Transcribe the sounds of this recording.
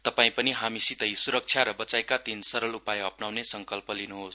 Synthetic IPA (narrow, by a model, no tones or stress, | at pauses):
t̪ʌpaĩpʌniɦamisit̪ʌjsuɾʌk̚t͡sʰjaɾʌbʌt͡sajkat̪insʌɾʌlupajɦʌpnawnesʌŋkʌlpʌlinuɦos